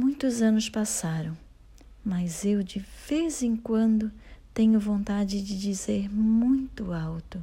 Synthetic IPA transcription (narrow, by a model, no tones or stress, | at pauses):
mũj̃t̪ʊzɐ̃nʊspasaɾɐ̃w̃ | mɐzewd͡ʒɪvezẽŋkwɐ̃nd̪ʊt̪ẽɲʊvõnt̪ad͡ʒɪd͡ʒɪd͡ʒizeɾmũj̃t̪ʊawt̪ʊ